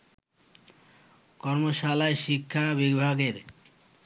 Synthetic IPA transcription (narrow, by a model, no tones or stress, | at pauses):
kɔɾmoʃalaeʃikʰːabibʱaɡeɾ